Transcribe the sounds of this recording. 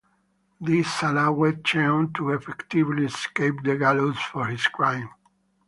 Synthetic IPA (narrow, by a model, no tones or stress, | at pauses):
d̪isalawett͡ʃẽɔ̃nt̪ʰuɛfɛkt̪ivliɛskepd̪əɡalozfɔɹhiskɹãj̃m